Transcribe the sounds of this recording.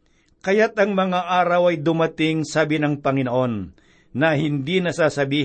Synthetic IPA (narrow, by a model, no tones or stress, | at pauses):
kɐjat̪ɐŋmɐŋaʔaːɾɐwɐjd̪ʊmɐt̪ɪŋsabɪnɐŋpɐŋɪnoʔo̞nː | ɐhɪnd̪inɐsaːsɐbiː